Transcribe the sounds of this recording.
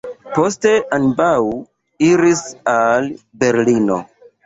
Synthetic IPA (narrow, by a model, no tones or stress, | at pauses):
po̞ste̞ʔanbaw | iɾisal | be̞ɾlino̰